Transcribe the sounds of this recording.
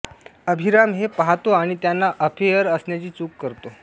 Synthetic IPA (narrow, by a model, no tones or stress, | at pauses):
əbʱiɾamɦepaɦat̪oaɽ̃it̪janːaʔəfʰejəɾəsɳjat͡ɕiːt͡suːkːəɾt̪o